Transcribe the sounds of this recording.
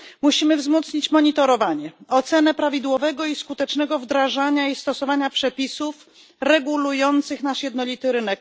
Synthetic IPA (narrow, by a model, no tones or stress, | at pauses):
muɕimɘvzmɔt̪sɲit͡ɕmɔɲit̪ɔɾɔvaɲɛɔt̪sɛnɛpɾavʲid̪wɔvɛɡɔiskut̪ɛt͡ʂnɛɡɔvd̪ɾaʐaɲaist̪ɔsɔvaɲapʂɛpʲisuf | ɾɛɡulujɔnt̪sɘxnaʂjɛd̪nɔlʲit̪ɘɾɘnɛk